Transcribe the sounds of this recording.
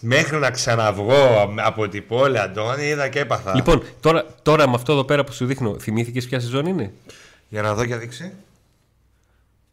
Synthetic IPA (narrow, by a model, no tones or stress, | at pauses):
me̞xɾinɐksɐnɐvɣo̞ɐpot̪ipoliɐnd̪oniiðɐce̞pɐθɐlipo̞nt̪o̞ɾɐt̪o̞ɾɐmɐft̪oe̞ðo̞pe̞ɾɐposuðixno̞θimiθice̞spçɐs̬izo̞niine̞ | ʝɐnɐðo̞cɐðiksi